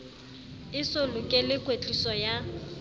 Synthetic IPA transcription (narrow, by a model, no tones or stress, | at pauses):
ɪsʊlʊkʼɛlɪkʼwet͡ɬʼisɔja